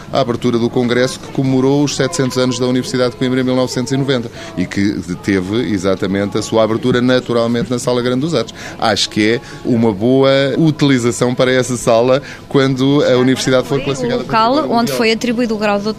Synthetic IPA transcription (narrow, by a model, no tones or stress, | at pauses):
a̰aβɨɾt̪uɾɐðukõŋɡɾɛsu̥kɨ̥kummuɾouʃsɛt̪sẽnt̪uzɐnuʒðɐunivɨɾsiðaðkw̃ĩmɾ̃milˠnɔvsẽnt̪zinuvẽnt̪ɐ | ikɨt̪evɨḭzat̪ɐmẽnt̪ɐsuaβɨɾt̪uɾɐnɐt̪uɾalˠmẽnt̪̚nɐsalˠɐɣɾɐ̃d̪d̪uzat̪u̥ʃa̰ʃu̥kɛ | umɐβoɐut̪ilˠizɐsɐ̃w̃pɐɾɐɛsɐsalˠɐ | kwɐ̃nd̪uɐunivɨɾsiðaðfoɾklˠɐsifikaððɐpkalˠõnd̪fojɐt̪ɾiβwiðuːɣɾawðot̪